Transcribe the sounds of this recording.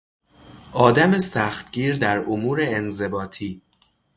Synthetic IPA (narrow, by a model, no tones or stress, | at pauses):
ʔɒːd̪æmesæxt̪ɡiːɾd̪æɾomuːɾeːnze̞bɒːt̪ʰiː